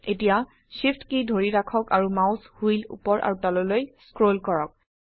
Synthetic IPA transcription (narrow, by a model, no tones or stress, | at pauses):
etija | ʃifʰtkidʱoɹiɹakʰɔkaɹumaʊshujlṵpɔɹʔa̰ɹutalolojskɹolkɔɹɔk̚